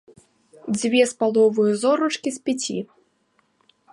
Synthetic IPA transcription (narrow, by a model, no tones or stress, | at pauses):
d͡zʲvʲɛspalˠɔvɨjuzɔɾut͡ʂkʲispʲat͡sʲḭ